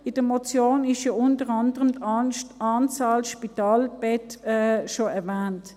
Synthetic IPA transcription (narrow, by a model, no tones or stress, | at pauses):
ɪd̥əmɔt͡sjoːnɪʃjoʊntəʁɑndəʁəmtɑːnt͡saːlʃpitaːlb̥ɛtɛʃoɛɐʋæːnt